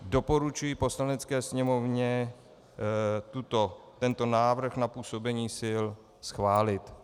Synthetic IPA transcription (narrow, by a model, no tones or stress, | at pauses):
do̞po̞ɾut͡ʃujipo̞slanɛt͡skɛːsɲɛmo̞vɲɛ | t̪ut̪ot̪ɛnt̪o̞naːvr̩xnapuːso̞bɛɲiːsɪl | sxvaːlɪt̪